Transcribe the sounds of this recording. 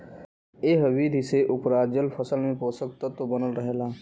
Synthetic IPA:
eːɦəʋiːd̪ʱiseʔʊpɾaːd͡ʒəlpʰəsəlmẽpoːsəkt̪ət̪obənəlɾəɦeːlaː

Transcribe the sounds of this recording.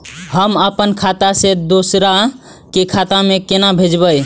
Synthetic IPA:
həməpənkʰat̪ased̪osɾa | kekʰat̪amekenabʱed͡ʒbəj

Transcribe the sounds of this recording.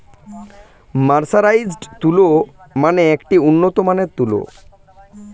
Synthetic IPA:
maɾsaɾajd͡ʑɖt̪ulomaneekʈiunːot̪omaneɾt̪ulo̰

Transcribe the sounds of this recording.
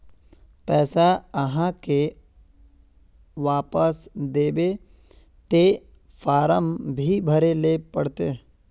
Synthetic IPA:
pɛːsaəɦãke | ʋaːpəsd̪eːbe | t̪e | faːɾəmbʱibʱəɾelepəɽt̪e

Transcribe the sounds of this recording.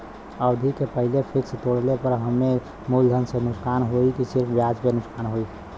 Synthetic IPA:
əʊd̪ʱikepəɦɪlepʰɪkst̪oɽlepəɾɦəmːe | muld̪ʱənsenʊksaːnɦoikisɪɾpʰbjad͡ʒpenʊksaːnɦoi

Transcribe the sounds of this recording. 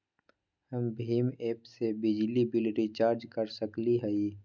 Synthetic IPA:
həmbʱiːmeːpsebɪd͡ʒlibɪlɾit͡ʃaːɾd͡ʒkəɾsəkliɦɛi

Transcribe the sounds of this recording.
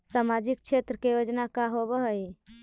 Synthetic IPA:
samad͡ʒikt͡ʃʰet̪ɾəkejod͡ʒnakaɦobəɦəi

